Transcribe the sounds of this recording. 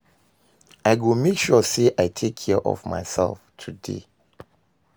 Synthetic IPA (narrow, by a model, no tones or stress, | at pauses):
aɪɡomekʃɔseʔaɪtʰekʰːɛʔɔ̰vma̰ɪsɛ̰lftʰudḛ